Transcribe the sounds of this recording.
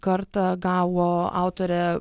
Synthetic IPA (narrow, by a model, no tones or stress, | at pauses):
kɐɾt̪ɑɡɑːʋoːɑ̰ˑʊt̪oːɾʲɛ